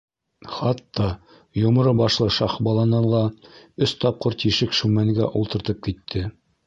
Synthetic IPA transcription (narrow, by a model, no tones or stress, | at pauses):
χɑt̪ːɑ | jŏmɤ̆ɾɤbɑʃlˠɤʃɑχbɑlˠɑnɑlˠɑɵst̪ɑp̚qɤɾt̪iʃɘkʃʉmæŋɡæ̰ʔulˠt̪ɤ̆ɾt̪ɤp̚kit̪ʰːɘ